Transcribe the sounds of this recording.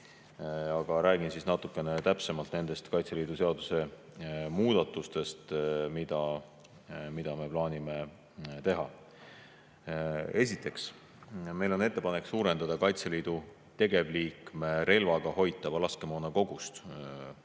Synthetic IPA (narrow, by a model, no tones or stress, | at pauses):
ɑɡ̥ɑɾæːɡinsisnɑt̪ˑukːˑe̞ne̞t̪æpse̞mɑlt̪ne̞nd̪̥e̞st̪kɑjt̪seliːd̪̥use̞ɑd̪̥use̞ | muːd̪̥ɑt̪ːˑust̪e̞st̪mid̪̥ɑ | mid̪̥ɑme̞plɑːnʲime̞ | t̪e̞ɦɑ | e̞sit̪ːˑe̞ks | me̞jlo̞ne̞t̪ːe̞pɑne̞ksuːɾend̪̥ɑd̪̥ɑkɑjt̪seliːd̪̥u | t̪e̞ɡe̞vliːkme̞ɾe̞lvɑɡ̥ɑho̞jt̪ːˑɑb̥lɑskemonɑko̞ɡ̥ust̪